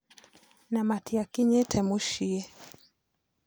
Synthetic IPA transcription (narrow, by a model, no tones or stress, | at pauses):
namatiakiɲɛtʰɛmuʃiɛ